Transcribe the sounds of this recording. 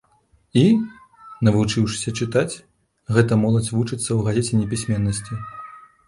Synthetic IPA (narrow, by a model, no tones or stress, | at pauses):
i | nɐvut͡ʂɨwʂɨ̥sʲɐt͡ʂɨt̪at͡sʲ | ɣɛt̪ɐmɔlˠɐd͡zʲvut͡ʂɨt̪sːɐwɣazʲet͡sʲɛnʲɛpʲisʲmʲɛnːɐsʲt͡sʲi